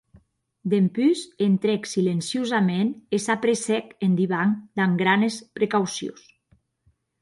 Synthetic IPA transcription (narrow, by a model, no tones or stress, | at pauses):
d̪empyzent̪ɾeksilensiozamenesapɾesɛkend̪iβaŋd̪aŋɡɾanespɾekawsjo̰s